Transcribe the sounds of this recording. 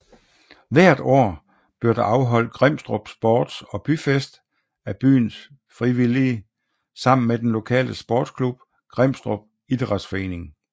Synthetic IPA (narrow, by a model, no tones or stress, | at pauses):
ʋæɐ̰d̥ɒ̰ː | b̥yɐ̰d̥ɑʔɑ̈ʊɦɒ̽l̰d̥̚ɡ̥ʁem̰sd̥ʁob̥sb̥ɒːd̥sɒ̽b̥yfesd̥ | æb̥y̰ːns | fʁiʋili | sɑ̈m̰n̩med̥enlo̝kʰɛ̰ːləsb̥ɔːd̥skʰlub̥̚ | ɡ̥ʁem̰sd̥ʁob̥̚ | id̥ʁɑ̈d̥sfɒ̽e̝̰ːne̝ŋ